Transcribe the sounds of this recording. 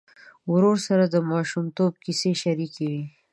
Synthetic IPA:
wɾoɾsaɾad̪əmɑʃumt̪ob̚kiseʃaɾikewi

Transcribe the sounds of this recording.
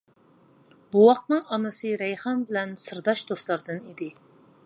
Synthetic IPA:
buwɑqt̪nɨŋɑnɨsɨɾɛjχɑmbɪlɛnsɨɾd̪ɑʃd̪oslˠɑɾd̪ɨnid̪ɪ

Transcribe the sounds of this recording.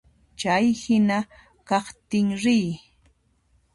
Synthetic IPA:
t͡ʃajhɪna | kɑχt̪ɪŋɾɪj

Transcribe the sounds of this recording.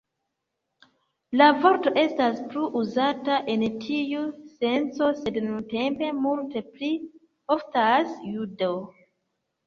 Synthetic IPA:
lavo̞ɾto̞ʔe̞staspluʔuzataʔe̞ntʰiuse̞nt͡so̞se̞dnunte̞mpe̞multe̞pli | o̞ftasjudo

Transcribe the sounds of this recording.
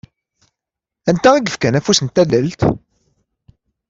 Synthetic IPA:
ænt̪æiɡəfkænæfusənt̪ːælælt̪

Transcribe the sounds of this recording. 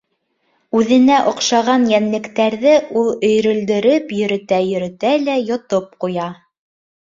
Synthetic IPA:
ʉðɘ̆næʔŏqʃɑʁɑnjænlɘ̆kt̪æɾðɘʔulˠɵ̆jɾɵ̆ld̪ɘ̆ɾɘpjɵ̆ɾɘ̆t̪æjɵ̆ɾɘ̆t̪ælæjŏt̪op̚qujɑ

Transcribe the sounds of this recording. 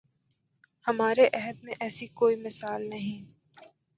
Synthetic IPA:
hɐmaːɾeʔɛɦəd̪̚mẽʔɛːsikoːimɪsaːlnɐɦĩ

